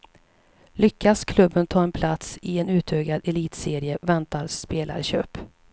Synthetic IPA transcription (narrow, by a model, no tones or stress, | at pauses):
lʏkːaskʰlɵbːənt̪ʰɑːɛnpʰlat̪sɪɛnʉ̟ːt̪ʰøːɡad̪ɛliːt̪seːɾɪəvɛnt̪aɾspeːlʔa̰ɾɕø̰ːp